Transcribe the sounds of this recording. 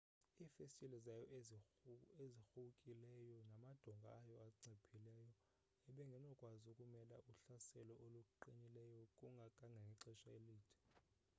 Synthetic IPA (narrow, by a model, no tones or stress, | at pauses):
iːfestʼilɛzajɔ | ezixuukʼilɛjɔnamad̥ʱɔŋɡʱa̰ːjɔaǀepʰilɛːjɔ | ɛɓɛŋɡʱɛnɔkʼwazokʼumɛla̰ʔuɬasɛlɔʔolukʼuǃiɲilɛjɔkʼuŋɡʱakʼaŋɡʱaŋʱɛǀɛʃaeliːtʰi̥